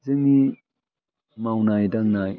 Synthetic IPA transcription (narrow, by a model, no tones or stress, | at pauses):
zɯŋi | mawnajdaŋnaj